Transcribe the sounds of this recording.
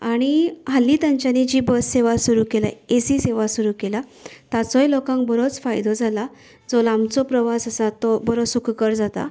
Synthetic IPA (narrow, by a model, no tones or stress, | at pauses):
aɽ̃iɦalːiːt̪aɲt͡ɕanid͡ʑiːbəsseʋasuɾuːkela̰esiseʋasuɾuːkelat̪at͡sɔjlokãŋkbəɾot͡sfajd̪ɔd͡zʱala | d͡zɔlamt͡sɔpɾəʋasəsat̪ɔbəɾosukʰkəɾd͡zat̪a̰